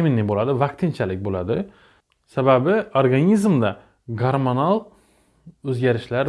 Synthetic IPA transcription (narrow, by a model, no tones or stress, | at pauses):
minːɪbolˠad̪ɪvakt̪ʰɪnt͡ʃʰalɪk̚ʲbolˠad̪ɪ | sababɪoɾɡanʲizmd̪a | ɡaɾmonalˠ | ɵzɡʲaɾɪʃlaɾ